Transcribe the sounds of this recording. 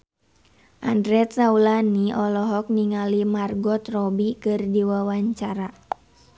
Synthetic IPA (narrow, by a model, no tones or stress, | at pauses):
ʔandɾɛt̪saulaniɔlɔɦɔk̚niŋalimarɡɔt̪rɔbikɨrdiwawaɲt͡ʃaɾa